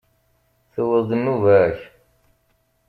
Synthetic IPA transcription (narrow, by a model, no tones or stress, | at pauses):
θəwəðd̪ənːuvæç